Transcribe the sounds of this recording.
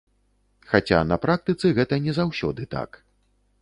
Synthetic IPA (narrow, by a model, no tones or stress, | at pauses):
xat͡sʲa̰nɐpɾak̚t̪ɨt̪sɨɣɛt̪ɐnʲɛzawsʲɔ̰d̪ɨt̪a̰k